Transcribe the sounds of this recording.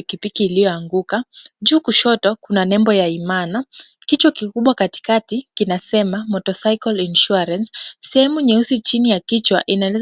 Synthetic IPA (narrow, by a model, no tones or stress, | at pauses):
ikipikiːlijɔaŋɡukaʄuːkuʃɔtɔkunanɛmbɔjaimana | kit͡ʃwakikuɓwakati̥katikinasɛmamɔtɔsaikɔlinʃuaɾansːɛhɛmuɲɛusit͡ʃinijakit͡ʃwaʔinalɛ